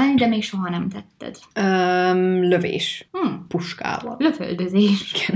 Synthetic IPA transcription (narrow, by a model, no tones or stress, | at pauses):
aɲd̪ɛmeːkʃoɦɒnɛmt̪ɛt̪ːɛ̰d̪̥ømløvḛːʃ̩puʃka̰ːvɒ̰løfø̰ld̪øzeːʃiɡ̥ɛn